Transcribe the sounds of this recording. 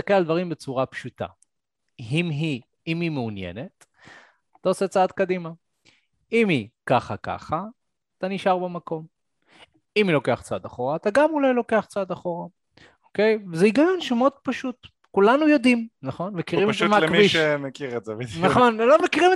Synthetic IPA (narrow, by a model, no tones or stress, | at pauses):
sakelald̪vaʁimbet͡suʁapʃuta̰ | ɦimɦi | imimeunjḛne̞t̪ | at̪aoset͡saad̪kadima | imikaχaka̰χaː | t̪aniʃaʁbemako̞m | imilo̞ke̞aχt͡saad̪aχo̞ʁaːt̪aɡamulajlo̞ke̞aχt͡saad̪aχo̞ʁa | oke̞jvezeiɡajo̞nʃemeod̪̥̚paʃut | kulanujo̞d̪imnaχo̞nmekiʁimemalekmiʃemekiʁezevenaχonlomekiʁime